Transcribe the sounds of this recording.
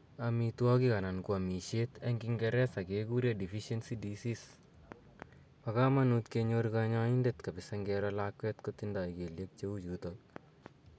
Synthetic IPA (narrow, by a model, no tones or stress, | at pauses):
amitwɔkikanankwamiʃetaŋɡiŋɡɛɾɛsakekuɾedifiʃensidisis | pakamanutkeɲoɾikaɲaindetkabɪsaŋɡɛɾɔlakwɛtkotindaikeljek̚t͡ʃeut͡ʃutol